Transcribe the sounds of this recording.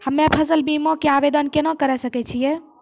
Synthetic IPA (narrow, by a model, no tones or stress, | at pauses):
həmːepʰəsəlbimõkeabed̪ənkenɔkəɾɛsəkɛt͡ʃʰijɛ